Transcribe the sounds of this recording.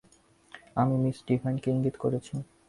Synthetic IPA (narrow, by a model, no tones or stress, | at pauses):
amimisʈibʱajnkeiŋɡit̪koɾet͡ɕʰi